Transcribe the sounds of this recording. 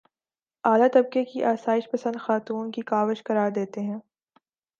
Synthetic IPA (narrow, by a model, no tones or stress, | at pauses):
aːlat̪ɐb̚kekiʔaːsaːɪʃpɐsə̃nd̪xaːt̪uːnkikaːʋəʃkɐɾaːɾd̪eːt̪eɦɛ̃ː